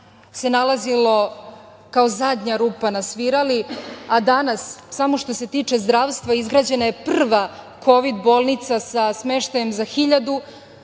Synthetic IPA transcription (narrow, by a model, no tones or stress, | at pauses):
se̞nalazilo̞ | kao̞zad̪ɲaɾuːpanasʋiɾaliad̪anassamo̞ʃt̪o̞se̞t̪iːt͡ʃe̞zd̪ɾaːʋst̪ʋaizɡɾaːd͡ʑe̞naje̞pr̩ʋa | kʰo̞ʋid̪bo̞ːlˠnit̪sasasme̞ʃt̪aje̞mzaxiʎad̪u